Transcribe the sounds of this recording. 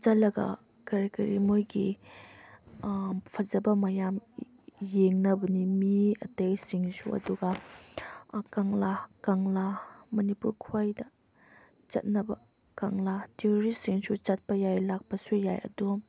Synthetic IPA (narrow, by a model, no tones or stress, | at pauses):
d͡ʒɐlɐɡɐ̰ | kɐɾkɐɾimojɡḭ | pʰɐzɐbɐmɐjam | jeŋnɐbɐnimiɐtejsiŋsṵɐ̰duɡɐ | kaŋlakaŋlamɐnipuɾkʰajdɐ | t͡ʃɐ̰t̚nɐbɐ | kaŋlatioɾisiŋsut͡ʃɐt̚pɐjajlak̚pɐsujajɐ̰du